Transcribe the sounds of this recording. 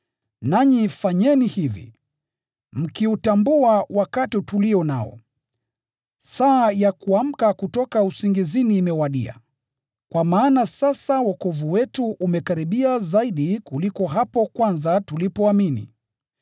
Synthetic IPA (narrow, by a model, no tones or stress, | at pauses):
naɲifaɲɛnihivḭ | m̩kiutambuawakatituliɔna̰ɔ̰ | saːjakuam̩kakutɔkausiŋɡiziniːmɛwaɗḭa̰ | kwamaːnasasawakɔvuwɛtuʔumɛkaɾiɓiazaiɗikulikɔɦapɔkwanzatulipɔaminḭ